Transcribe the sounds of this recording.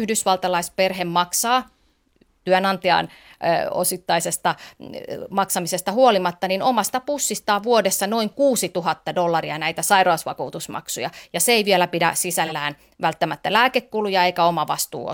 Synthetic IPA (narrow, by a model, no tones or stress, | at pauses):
yhdysʋɑlt̪ɑlɑisperɦemmɑksɑː | t̪yænɑnt̪iɑ̰ːn | o̰sit̪ːɑisest̪ɑ | mɑksɑmisest̪ɑhuolimɑt̪ːɑninomɑst̪ɑpusːist̪ɑːʋuodesːɑnoiŋkuːsit̪uɦɑt̪ːɑdolːɑriɑnæit̪æsɑirɑːsʋɑ̰kuːt̪usmɑ̰ksujɑ̰jɑseeiʋiɛlæpidæ̰sisælːæːn | ʋælt̪ːæmæt̪ːælæːkekːulujɑeikæomɑʋɑst̪ṵːo̰